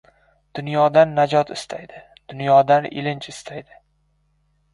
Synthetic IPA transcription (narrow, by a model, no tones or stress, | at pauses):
d̪̥ʊnjɒd̪anːad͡ʒɒt̪ɪst̪ʰajd̪ɪ | d̪̥ʊnjɒd̪anɪ̰lɪnt͡ʃɪst̪ʰajd̪ɪ